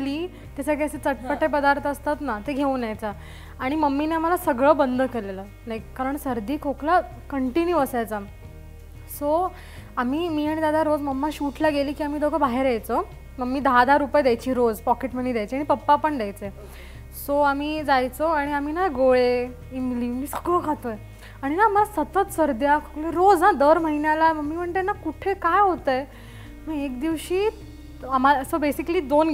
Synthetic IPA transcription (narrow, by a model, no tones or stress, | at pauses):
liː | t̪jasəɡʱaset͡səʈ̚pəʈːepəd̪aɾt̪əst̪at̪nat̪eɡʱeũnjajt͡sa | aɽ̃iməmːineam̤alasəɡɭəːbənd̪ʱəkelelə | lajkkaɾəɳsəɾd̪ʱiːkokla | kəɳʈinjuəsajt͡sa | so | amiːmiːaɽ̃id̪ad̪ʱaɾod͡zməmːaɕuʈʰlaɡeliːkiːam̤iːd̪okʰəbʱaɦeɾjajt͡so | məɡmːiːd̪aɦad̪ʱaɾːupəjd̪jajt͡ɕiːɾod͡zpɔkeʈm̤əniːd̪jajt͡ɕiaɽ̃ipəpːapəɳd̪jajt͡se | soamiːd͡zajt͡soaɽ̃iaminaɡoɭe | imliːmmiːsə̥kɭokʰat̪oj | aɽ̃inaməlasət̪ət̪səɾd̪jakəkleɾod͡znãd̪əɾməɦinjalaməɡːiːm̤əɳt̪enakuʈʰekajɦot̪əj | m̤əekd̪iʋɕiː | am̤asobesikliːd̪on